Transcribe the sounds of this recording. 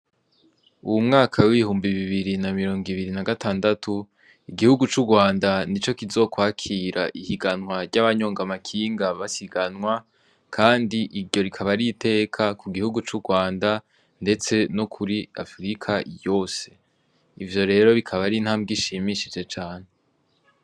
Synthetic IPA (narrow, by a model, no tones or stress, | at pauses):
uwumŋaːkʰawiβihuːmbiβiβiɾinamiɾo̞ːŋɡiβiɾinaɡataːndatʰu | iɡihuɡut͡ʃuɡwaːndanit͡ʃo̞kizo̞ːkwaːkʰiːɾa̰ʔihiɡanŋwaɾɟaβaɲo̞ːŋɡamakʰiːŋɡaβasiɡanŋwa | kʰaːndiʔiɾɟo̞ɾikʰaβaɾite̞ːkʰakuɡihuɡut͡ʃuɡwaːnda | nde̞t͡se̞nokʰuɾia̰fɾikʰajo̞ːse̞̥ | ivjo̞ɾe̞ːɾo̞βikʰaβaɾinhaːmbɡiʃimiʃid͡ʒe̞t͡ʃaːn̥e̞